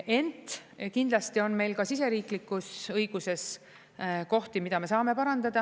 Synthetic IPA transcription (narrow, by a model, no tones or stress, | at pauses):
e̞nt̪ˑkind̪lɑst̪io̞nme̞jlkɑsis̬e̞ɾiːklikːˑusɤjɡ̥use̞s | ko̞ht̪imid̪ɑme̞sɑːme̞pɑɾɑnd̪ɑd̪̥ɑ